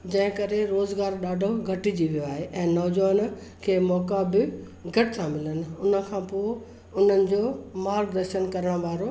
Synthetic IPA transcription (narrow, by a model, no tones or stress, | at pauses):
d͡ʑɐ̃ɦɪ̃kɐɾeɾoːzɡaːɾɗaːɖʱoɡʱɐʈid͡ʑiʋijoaːɦeʔɛ̃ːnɔːd͡ʑʋəːnkʰeːmɔːkabɪ | ɡʱɐʈɪsãmɪlənɪ̆ʊnə̆kʰãːpoe | ʊn̤ənɪ̆d͡ʑoːmaːɾkd̪ɐɾʃənkɐɾəɽ̃ʋaːɾo